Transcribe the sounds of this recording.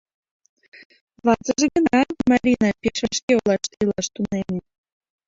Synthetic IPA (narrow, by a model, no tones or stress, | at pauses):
βɑt͡səʒĕɡə̆nɑmɑɾʲinɑpʲeʃɑʃkeolˠɑʃt̪elɑʃt̪unene